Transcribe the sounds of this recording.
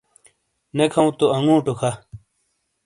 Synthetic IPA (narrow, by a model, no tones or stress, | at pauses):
nekʰɐũt̪oɐŋɡũːʈokʰa